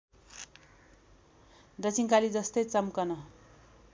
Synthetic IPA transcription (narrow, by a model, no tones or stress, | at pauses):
d̪ʌt͡siŋkalid͡zʌst̪ʌjt͡sʌmkʌnʌ